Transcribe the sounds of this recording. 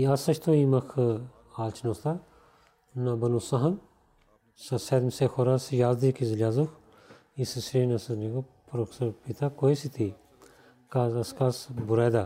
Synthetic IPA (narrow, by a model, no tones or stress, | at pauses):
iɐsɐt͡ʃʰt̪ʰoimɐkʰ | aːlt͡ʃʰnost̪a | nɐbɐnusɐɦɐn | sɐseːd̪misexʰoːɾasjaːzd̪ikizilʲjaːzukʰ | isisɾeːnɐsɐniɡopɾoksɐpit̪ʰakoːisit̪ʰi | kaːzɐskaːsbuɾaːd̪aː